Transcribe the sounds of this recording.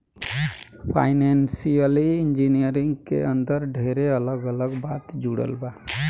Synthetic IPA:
pʰa̰jnensijəliind͡ʒinijəɾiŋɡkḛənd̪əɾɖʱeɾeələɡələɡbat̪d͡ʒuɽə̰lba

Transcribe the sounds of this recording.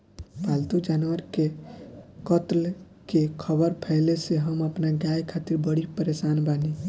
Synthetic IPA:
balt̪ud͡ʒanwəɾke | kət̪l | kekʰəbəɾpʰɛɪleseɦəməpnaɡajkʰat̪iɾbəɽipəɾesanbani

